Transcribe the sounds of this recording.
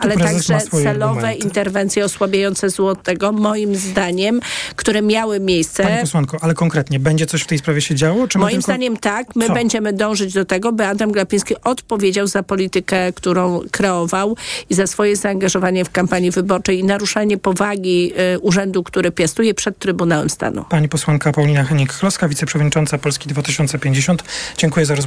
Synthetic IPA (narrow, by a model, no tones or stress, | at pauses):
ʔaalɛɾt̪aɡʐɛaɛlɔvɛint̪ɛɾvɛnt̪sjɛɔswabʲjajɔnt̪sɛzwɔt̪ɛɡɔmɔjimzd̪aɲɛmkt̪uɾɛmʲjawɘmʲjejst̪sɛpɔswankɔʔalɛkɔŋkɾɛt̪ɲɛbɛɲd͡ʑɛt̪sɔɕft̪ɛjspɾavʲjɛɕɛd͡ʑawɔt͡ʂmɔjiimzd̪aɲɛmt̪akmɘbɛɲd͡ʑɛmɘd̪ɔ̃w̃ʐɘd͡ʑd̪ɔt̪ɛɡɔbɘad̪amɡlapʲĩskʲiʔɔt̪pɔvʲjed͡ʑawzapɔlʲit̪ɘkɛkt̪uɾɔ̃w̃kɾɛɔvawizasfɔjɛzaːŋɡaʐɔvaɲɛfkampaɲivɘbɔɾt͡ʂɛjinaɾuʂaɲɛpɔvaɡʲiuʐɛnd̪ukt̪uɾɘpʲjast̪ujɛpʂɛt̪ːɾɘbunawɛmst̪a̰nṵpaɲipɔswaŋkapawlʲinaxɛɲikːlɔskavʲitsɛpʂɛvɔd̪ɲit͡ʂɔnt̪sapɔlskʲid̪vat̪ɪɕɔnt̪sɛpʲjeɲd͡ʑeɕɔnt̪d͡ʑɛŋkujɛzaɾɔz